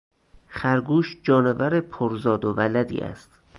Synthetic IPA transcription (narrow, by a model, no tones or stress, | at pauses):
χæɾɡuːʃd͡ʒɒːnevæɾepʰoɾzɒːd̪ovælæd̪ḭːæ̰st̪